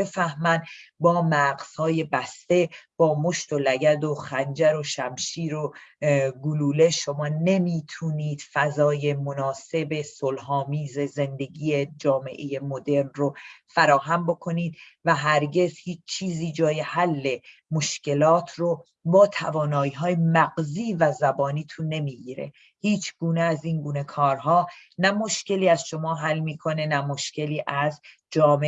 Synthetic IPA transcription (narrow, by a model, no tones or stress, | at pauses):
befæhmænbɒːmæɡz̥hɒːje̞bæst̪e̞b̥ɒːmo̞ʃt̪o̞læɟæd̪o̞xænd͡ʒæɾo̞ʃæmʃiːɾo | ɡuluːle̞ʃo̞mɒːne̞miːt̪ʰuːniːd̪̥fæzɒːje̞monɒːse̞be̞solɦɒːmiːze̞ze̞nd̪e̞ɡiːe̞d͡ʒɒːme̞̰ʔeje̞mod̪e̞ɾnrofæɾɒːɦæmbo̞kʰo̞niːd̪̚ | væɦæɾɟe̞zhiːt͡ʃʰt͡ʃʰiːziːd͡ʒɒːje̞hælːe̞moʃce̞lɒːt̪ʰro | bɒːt̪ʰæ̰vɒːnɒːiːɦɒːjemæɡziːvæzæbɒːniːt̪ʰunːe̞miːɡiːɾe̞̰ | hiːt͡ʃʰɡ̥uːneæziːŋɡuːne̞kʰɒːɾɦɒːnæmo̞ʃce̞liːæz̥ʃo̞mɒːɦælːmiːkʰo̞ne̞næmo̞ʃce̞liːʔæz | d͡ʒɒːme